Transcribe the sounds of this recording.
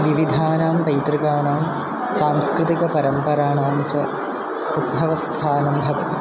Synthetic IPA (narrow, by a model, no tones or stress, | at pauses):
ʋiʋid̪ʱaːnaːmpɐjt̪rikaːɳaːm | saːmskɾɨt̪ikɐpɐɾɐmpɐɾaːɳaːmt͡ɕɐ | ud̪̚bʱɐʋɐst̪ʰaːnɐmbʱɐʋɐt̪i